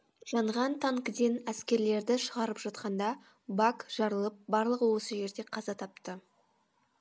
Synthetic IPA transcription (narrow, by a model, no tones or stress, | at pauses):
ʒ̥ɑɴʁɑnt̪ʰɑŋkəd̪e̞næskʲe̞ɾle̞ɾd̪ɪʃəʁɑɾəpʒɑt̪̚qɑnd̪ɑ | bakʒ̥ɑɾəlˠəp̚bɑɾlˠəʁəwo̞səʒe̞ɾd̪e̞qʰɑzɑt̪ʰɑp̚t̪ə